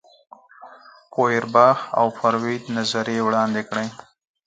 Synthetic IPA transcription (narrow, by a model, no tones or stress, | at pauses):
poɪɾbɑːha̰wfaɾwid̪nazaɾjewɽɑːnd̪ekɽej